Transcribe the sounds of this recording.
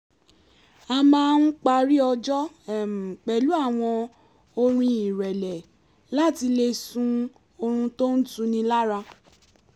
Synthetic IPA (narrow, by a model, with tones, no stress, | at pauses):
a˧mãː˦n̩˦k͡pa˧ɾi˦ɔ˧d͡ʒɔ˦ | ɛ˨m˨k͡pɛ˨lu˨˦a˦˨w̃ɔ̃˧ | o˧ɾ̃ĩ˧i˨ɾɛ˨lɛ˨ | la˦˨ti˧le˧sũ˦ | o˧ɾ̃ũ˧to˦n̩˦tũ˧nĩ˧la˦ɾa˧